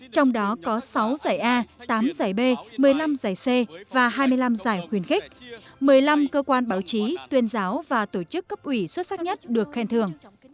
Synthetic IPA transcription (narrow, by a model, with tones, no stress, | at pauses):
t͡ɕɔ˧wŋ͡mɗɔ˨˦kɔ˨˦sa˨˦wzaː˧˩jʔaː˧t̪aː˨˦mzaː˧˩jɓe˧mɨ˨˩əjla˧mzaː˨˩jse˧vaː˨˩ɦaː˧jmɨ˧jla˧mzaː˧˩jxwi˧˩ənxï˦˥k̚mɨ˨˩əjla˧mkəː˧kwaː˧nɓaː˧˩wt͡ɕi˨˦t̪wi˧ənzaː˨˦wvaː˨˩t̪o˧˩t͡ɕɨ˦˥kːə˦˥p̚ʔwi˧˩swə˦˥t̚sa˦˥k̚ɲə˦˥t̚ɗɨ˨˩ək̚xɛ˧nt̪ʰɨ˨˩əŋ